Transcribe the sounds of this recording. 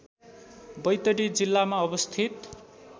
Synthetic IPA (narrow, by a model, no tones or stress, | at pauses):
bʌjt̪ʌɽid͡zilːamaʌbʌst̪ʰit̪